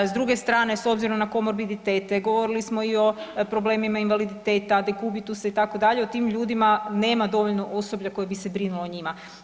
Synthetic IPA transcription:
zd̪ɾuɡe̞st̪ɾaːne̞so̞bziɾo̞mnako̞moɾbid̪it̪eːt̪eɡo̞ʋo̞ɾilismo̞io̞pɾo̞ble̞ːmimainʋalid̪it̪eːt̪ad̪ekubit̪usait̪akod̪aʎeo̞t̪iːmʎuːd̪imane̞ːmad̪o̞ʋo̞ʎno̞ʔoso̞blʎako̞jebisebɾinuloɲima

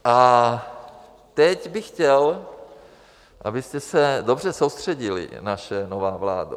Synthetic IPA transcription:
ʔa | t̪ɛcbɪxcɛl | ʔa̰bɪst̪ɛsɛdo̞br̝ɛsowst̪r̝̥ɛɟɪlɪ̰naʃɛnovaːvla̰ːdṵ

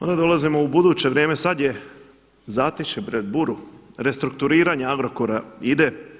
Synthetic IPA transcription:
ond̪ad̪o̞lˠazimo̞ubud̪uːt͡ɕe̞ʋɾjeːme̞sad̪je̞ | zaːt̪it͡ʃepɾed̪̚buɾuɾe̞st̪ɾuk̚t̪uɾiːɾaɲeaɡɾo̞koɾaid̪e

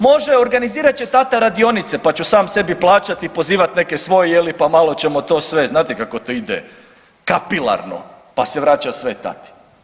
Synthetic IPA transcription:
mo̞ʒe̞o̞ɾɡaniziːɾat͡ɕet̪at̪aɾad̪io̞nit̪se̞pat͡ɕusaːmse̞biplˠaːt͡ɕat̪ipo̞ziːʋat̪ne̞kesʋo̞jejelipamalˠo̞t͡ɕe̞mo̞t̪o̞ːsʋe̞znaːt̪ikako̞t̪oid̪ḛ | kapilˠa̰ɾno̞̰ | paseʋɾaːt͡ɕasʋet̪a̰t̪i̥

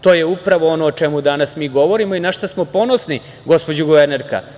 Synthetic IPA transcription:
t̪o̞ːjeupɾaʋoonoːt͡ʃemud̪anasmiːɡo̞ʋoɾimoinaʃt̪asmo̞po̞nosni | ɡo̞spod͡ʑuɡoʋeɾneɾka̰

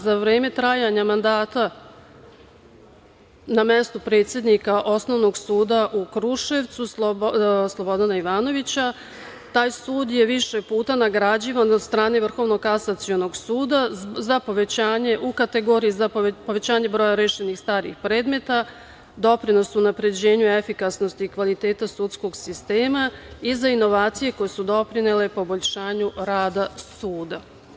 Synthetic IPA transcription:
zaʋɾe̞ːme̞t̪ɾaːjaɲamand̪aːt̪a | namest̪upɾe̞ːt̪sʲjed̪nikaʔo̞sno̞ʋno̞ɡsuːd̪aʔukɾuʃe̞ʋt̪sus | slˠo̞bo̞d̪anaiʋaːno̞ʋit͡ɕa | t̪aːjsuːd̪je̞ʋiʃepuːt̪anaɡɾad͡ʑiːʋanod̪st̪ɾaːne̞ʋr̩xo̞ʋno̞ɡkasat̪sijo̞no̞ɡsuːd̪azapo̞ʋet͡ɕaːɲe̞ʔukat̪e̞ɡo̞ːɾijizapo̞ʋe̞t͡ɕaːɲe̞bɾo̞ːjaɾeːʃenixst̪aːɾḭxpɾe̞ːd̪me̞t̪a | d̪o̞pɾino̞sunapɾe̞d͡ʑe̞ːɲue̞fikasno̞st̪iːkʋalit̪e̞ːt̪asut̪sko̞ɡsist̪e̞ːmaizaino̞ʋaːt̪sije̞ko̞je̞sud̪o̞pɾinele̞po̞bo̞ʎʃaːɲuɾaːd̪asuːd̪a

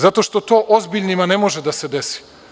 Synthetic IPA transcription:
zat̪o̞ʃt̪o̞t̪oːʔozbiʎʲnimanemo̞ʒed̪ased̪esi̥

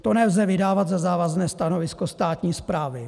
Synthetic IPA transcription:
t̪onɛlzɛvɪdaːvad̪zazaːvaznɛːst̪ano̞vɪsko̞st̪aːt̪ɲiːspɾaːvɪ

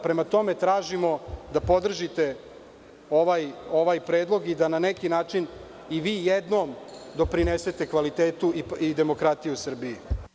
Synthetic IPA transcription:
pɾe̞mat̪o̞me̞t̪ɾaːʒimo̞d̪apo̞d̪r̩ʒit̪e̞ | o̞ʋajo̞ʋaːjpɾeːd̪lˠoɡid̪ananekinaːt͡ʂin | iʋiːjed̪nomd̪o̞pɾinese̞t̪e̞kʋalit̪eːt̪uiid̪e̞mo̞kɾat̪ijusr̩bii

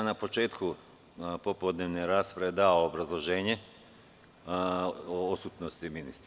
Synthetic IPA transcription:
napo̞t͡ʃe̞ːt̪ku | popod̪neʋneɾaːspɾeed̪aoːbɾazlˠo̞ʒe̞ːɲe | oosut̪nost̪iminḭst̪ɾ

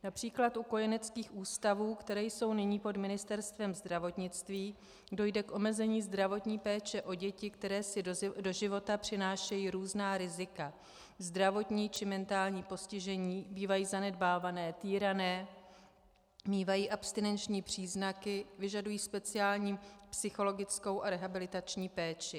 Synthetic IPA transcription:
napr̝̥iːklat̪ʔuko̞jɛnɛt͡skiːxʔuːst̪avuːkt̪ɛɾɛːjso̞wnɪɲiːpo̞dmɪnɪst̪ɛɾst̪vɛmzd̪ɾavo̞t̪ɲɪt͡st̪viː | do̞jdɛkʔo̞mɛzɛɲiːzd̪ɾavo̞t̪ɲiːpɛːt͡ʃɛʔo̞ɟɛcɪkt̪ɛɾɛːsɪdo̞ʒɪvo̞t̪apr̝̥ɪnaːʃɛjiːɾuːznaːɾɪzɪka | zd̪ɾavo̞t̪ɲiːt͡ʃɪmɛnt̪aːlɲiːpo̞scɪʒɛɲiːbiːvajiːzanɛd̚baːvanɛːt̪iːɾanɛː | miːvajiːʔapst̪ɪnɛnt͡ʃɲiːpr̝̥iːznakɪvɪʒadujiːspɛt͡sɪaːlɲiːpsɪxo̞lo̞ɡɪt͡sko̞wʔaɾɛɦabɪlɪt̪at͡ʃɲiːpɛːt͡ʃɪ

